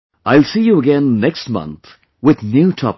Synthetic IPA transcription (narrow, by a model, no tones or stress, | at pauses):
aɪlˠsijuəɡɛ̃nːɛkstmʌ̰̃nt̪ | wɪðnjutʰɔ̰p